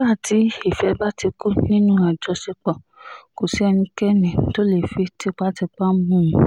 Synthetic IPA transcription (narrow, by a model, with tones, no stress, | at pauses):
ba˦˨tʰi˨˦i˦˨fɛ˧˦ba˦ti˧ku˦nĩ˦nũ˦a˨d͡ʒɔ˧se˧k͡pɔ˨ | ko˨si˨˦ɛ˧nĩ˧kɛ˦nĩ˨to˦le˨fi˧˦ti˦k͡pa˦ti˧k͡pa˦mũ˦˨˦